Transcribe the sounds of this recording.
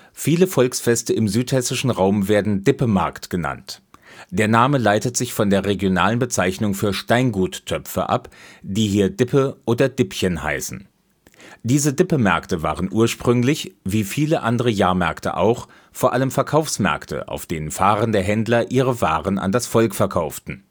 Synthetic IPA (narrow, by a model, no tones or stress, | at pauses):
fiːləfɔlksfɛstəɪmzyːthɛsɪʃn̩ʁaʊmveːɐdn̩dɪpəmɛ̰ɐktɡ̥əna̰ntd̥eːɐnaːməlaɪtətz̥ɪçfɔndeːɐʁeɡjona̰ːlənbət͡saɪçnʊŋfyːɐʃtaɪnɡuːtʰːœpfə̰ʔa̰pd̥iːɦiːɐdɪpʰəʔoːdɐd̥ɪpçənɦa̰ɪsn̩ | d̥iːzədɪpəmɛ̰ɐktəva̰ːʁənʔuːɐʃpʁ̥ʏŋlɪçviːfiːləʔandəʁ̞əjaːɐmɛɐktə̰ʔa̰ʊx | foːɐʔaləmfɛɐkʰaʊfsmɛ̰ɐktə̰ʔa̰ʊfd̥eːnənfaːʁəndəɦɛndlɐʔiːʁ̞əva̰ːʁəna̰ndasfɔlkfɛɐkʰaʊftn̩